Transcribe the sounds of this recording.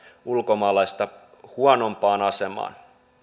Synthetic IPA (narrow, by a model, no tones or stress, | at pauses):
ulkomɑːlɑist̪ɑ | huɑnompɑːnɑsemɑ̰ːn